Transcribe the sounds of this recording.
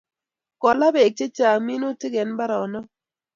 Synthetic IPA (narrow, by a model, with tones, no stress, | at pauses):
kɔ˨la˦be˨k̚t͡ʃe˦t͡ʃa˨mi˦no˦tɪ˦ɡɛ˨nba˦ɾa˨ɔ˨nɔ˦